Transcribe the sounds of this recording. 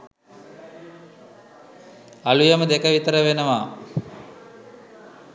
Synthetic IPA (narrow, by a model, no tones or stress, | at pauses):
ɐlujɐməd̪ekəʋit̪əɾəʋenɐʋaː